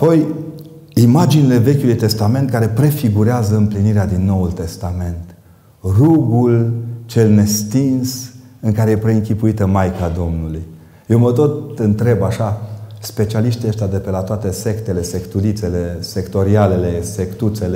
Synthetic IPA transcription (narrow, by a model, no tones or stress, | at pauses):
apo̞j | imad͡ʒinile̞ve̞kʲjulujt̪e̞st̪ame̞nt̪̚kaɾe̞pɾe̞fiɡuɾeazəɨmpliniɾead̪inːo̞ult̪e̞st̪ame̞nt̪ | ruɡult͡ʃe̞lne̞st̪insɨŋkaɾe̞jepɾe̞ɨŋkʲipuit̪əmajkad̪o̞mnuluj | je̞wmət̪o̞t̪ɨnt̪ɾe̞baʃaspe̞t͡ʃialiʃt̪iəʃt̪ead̪epe̞lat̪oat̪e̞se̞kt̪ele̞se̞kt̪ulit̪se̞le̞se̞kt̪o̞ɾiale̞le̞se̞kt̪ut̪se̞le